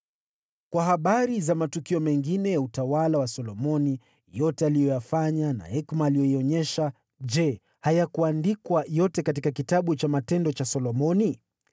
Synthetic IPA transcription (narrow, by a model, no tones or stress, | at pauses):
kwaɦaɓaɾizamatukiɔmɛŋɡinɛjautawalawasɔlɔmɔni | jɔtɛalijɔjafaɲana̰hɛkmaːlijɔiɔɲɛʃa | d͡ʒɛ | hajakuandikwajɔtɛkatikakitaɓut͡ʃamatɛndɔt͡ʃasɔlɔmɔni